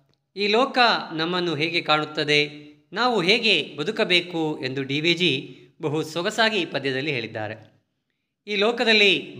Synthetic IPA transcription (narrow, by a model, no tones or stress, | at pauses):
iːlɔːkɐnɐmːɐnːuɦeːɡe̞kaːɳut̪ːɐd̪e̞ | naːʋuɦeːɡe̞bɐd̪ukɐbe̞ːkue̞nd̪uɖiːʋid͡ʒi | bɐɦusɔɡɐsaːɡipɐd̪jɐd̪ɐlːiɦe̞ːɭid̪ːa̰ːɾe̞ | iːlɔːkɐd̪ɐlːi